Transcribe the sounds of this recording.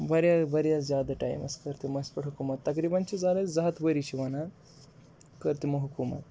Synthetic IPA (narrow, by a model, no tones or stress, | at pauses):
bʱɐɾjabʱɐɾjazʲjaːd̪aʈa̰jmɐ̰skɐɾt̪emɐspɐʈɦukumɐt̪ːɐkɾibant͡ʃizalezɐɦt̪bəɾit͡ɕiʋɐna | kəɾt̪emɐɦukumɐ̰t̪